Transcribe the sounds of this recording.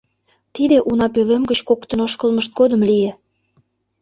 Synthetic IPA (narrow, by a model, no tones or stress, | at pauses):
t̪id̪eʔunɑpølemɡət͡ɕkokt̪ə̆noʃkəlməʃt̪̚ɡod̪ə̆mlije